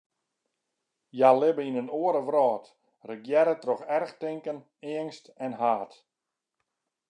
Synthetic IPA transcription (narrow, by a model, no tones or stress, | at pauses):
jalɪbəinənoəɾəʋrɔːt | rəɡjɛɾətrɔxɛrxtɪŋkən | ɪəŋstɛnɦaːt